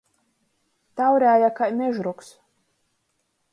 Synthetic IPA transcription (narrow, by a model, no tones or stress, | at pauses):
t̪awɾʲæːjakajmʲɛʒɾuks